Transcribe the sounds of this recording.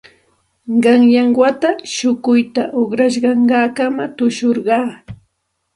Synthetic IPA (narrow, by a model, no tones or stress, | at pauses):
ɢɑŋjɑŋwat̪aʃʊkʊjt̪aʔoχɾaʃ̬ɢɑɴɢɑːkamat̪ʊʃoɾɢɑː